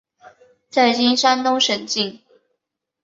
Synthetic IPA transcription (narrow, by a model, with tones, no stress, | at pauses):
t͡sa˥˩ɪt͡ɕi˥nʂa˥nt̪ʊ˥ŋʂə˨˩ŋt͡ɕi˥˨˩ŋ